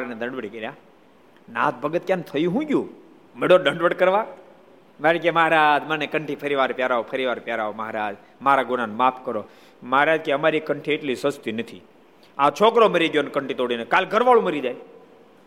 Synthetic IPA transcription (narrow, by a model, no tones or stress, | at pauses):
aɾned̪ʱəɳɖʋəɽikəɾja | nã̰ːt̪̚bʱəɡət̪̚kjãnt̪ʰəjũɦũɡjũ | meɽoɖə̃ɳɖʋəɽkəɾʋa | maɾik̬eməɦaɾad͡ʒmənekəɳʈʰipʰəɾiʋaɾpjaɾaopʰəɾiʋaɾpjaɾaoməɦaɾad͡ʒ | maɾaɡʊnanmapʰkəɾo | məɦaɾad͡ʒkeəmaɾikəɳʈʰieʈlisəst̪inət̪ʰḭ | ãt͡ʃʰokɾoməɾiɡjonkəɳʈit̪oɽinekalɡʱəɾʋaɭũməɾid͡ʒaj